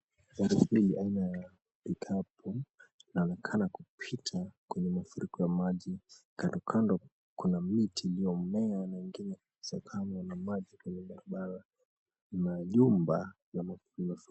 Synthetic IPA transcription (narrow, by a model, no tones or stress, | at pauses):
aɾufiliʔainaja | pikʰapʰuinaɔnɛkʰanakupʰitʰakwɛɲɛmafuɾʔikɔjamaʄikandɔkʰandɔ | kunamitʰiːliɔmɛanaiŋɡinɛ | sakʰamwanamaʄikwɛɲɛɓaɾaɓaɾa | inaʄumba | namafuimaf